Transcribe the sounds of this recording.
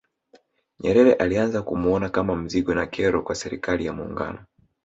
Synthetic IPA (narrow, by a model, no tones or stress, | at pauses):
ɲɛɾɛɾɛʔalianzakumuɔnakamam̩ziɡɔnakʰɛɾɔkwasɛɾikalijamuːŋɡa̰nɔ